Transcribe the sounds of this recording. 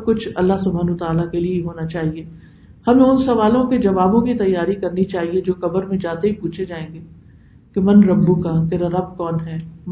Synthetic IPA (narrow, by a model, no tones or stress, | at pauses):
kʊt͡ʃʰɐ̰lːaɦsʊbʱaːnːt̪aːlakelieɦoːnat͡ʃaːɦieː | hɐmẽʊnsɐʋaːlõkid͡ʒɐʋaːbõkit̪ɐjːaːɾikɐɾnit͡ʃaːɦied͡ʒoːkɐbəɾmẽd͡ʒaːt̪eɦipuːt͡ʃʰed͡ʒaːẽːŋɡeː | kemɐnɾɐbːukat̪eːɾaɾɐb̚kɔːnɦɛːm